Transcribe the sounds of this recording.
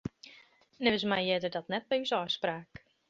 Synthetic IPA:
nɛʋɪsmajjɛdərdɔtnɛt̚bɛysɔspraːk

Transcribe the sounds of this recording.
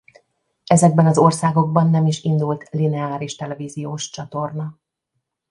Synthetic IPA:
ɛzɛɡ̚bɛnɒzo̞rsaːɡo̞ɡ̚bɒnːɛmiʃind̪ult̪linɛaːɾiʃt̪ɛlɛviːzijoːʃt͡ʃɒt̪o̞rnɒ

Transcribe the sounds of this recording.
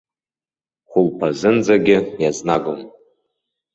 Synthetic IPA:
χʷʊlpʰazɨnd͡zaɡʲɪjaznaɡʷʊn

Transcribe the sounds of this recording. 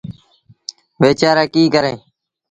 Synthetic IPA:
ʋeːt͡ʃaːɾaːkiːkəɾẽː

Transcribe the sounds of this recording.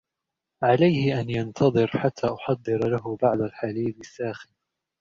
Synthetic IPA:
ʕalajhɪʔanjant̪ʰɑðˤɨɾħat̪ʰːaːʔʊħɑd̪ˤːɨɾlaɦʊbaʕd̪alħaliːd̪ɪsːaːxɪn

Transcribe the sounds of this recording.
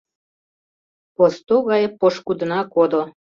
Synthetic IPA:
post̪oɣɑjepoʃkud̪ə̆nɑkod̪o

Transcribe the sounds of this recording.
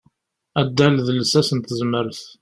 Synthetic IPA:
æd̪ːælðələsæsənt̪əzməɾəθ

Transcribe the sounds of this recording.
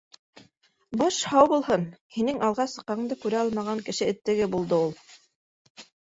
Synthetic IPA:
bɑʃhɑwbulˠɦɤnhinɘŋɑlˠʁɑsɤ̆qːɑɤɴd̪ɑkʉɾæɑlˠmɑʁɑŋkɘ̆ʃɘɘ̆t̪ːɘ̆ɡɘbulˠd̪ɤulˠ

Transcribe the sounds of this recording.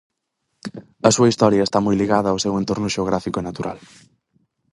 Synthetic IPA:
ɐsuɐist̪ɔɾjɐest̪amujliɣaðɐːwsewent̪oɾnʊʃeoɣɾafikʊenat̪uɾʔa̰l

